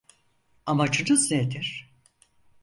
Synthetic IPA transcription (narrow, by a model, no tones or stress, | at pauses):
amat͡ʃʰɯnɯzned̪iɾ̥